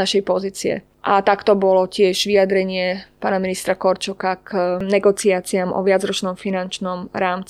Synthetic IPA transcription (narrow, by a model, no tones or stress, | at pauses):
aʃɛjpɔziːt͡siɛ̰ | ʔat̪akt̪ɔbɔlɔcɪɛʒʋiad̪ɾɛɲɪɛpaːnaminist̪ɾakɔɾt͡ʃɔkaknɛɡɔt͡siaːt͡siamʔɔ̰ʋɪad͡zɾɔt͡ʃnɔmfinant͡ʃnɔmɾaːmt͡si